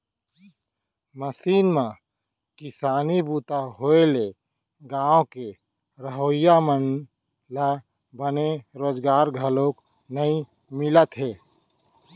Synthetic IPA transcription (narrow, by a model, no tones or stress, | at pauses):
məsiːnmã | kɪsaːnibuːt̪aɦoːele | ɡãːõke | ɾəɦoːɪjamən | la | bəneɾoːd͡ʒɡaːɾɡʱəlõːk | nəĩ | mɪlət̪ɦeː